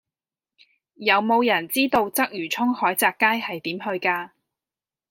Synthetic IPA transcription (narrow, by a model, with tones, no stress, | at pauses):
jɐ˨˧wmo˨˧wjɐ˨˩nt͡siː˥t̪o˧wt͡sɐ˥k̚jyː˨˩t͡sʰʊ˥ŋhɔː˨˥jt͡saː˧kːaː˥jhɐ˨jt̪iː˨˥mɦɵ˧ɥkaː˧